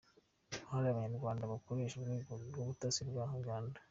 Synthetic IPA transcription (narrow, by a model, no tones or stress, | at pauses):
haɾaaβaɲaɾɡwaːndaβakoɾe̞ːʃaβɡiɡuɡoβutasiɾbwahaɡaːnda